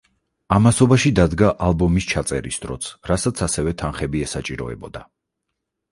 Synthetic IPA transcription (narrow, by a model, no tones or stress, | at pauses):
amasɔbaʃid̪ad̪ɡaʔalˠbɔmist͡ʃʰat̪sʼɛ̰ɾḭsd̪ɾɔt̪sʰɾasat̪sʰasɛvɛt̪ʰanχɛbiɛsat͡ʃʼiɾɔ̰ɛ̰bɔd̪a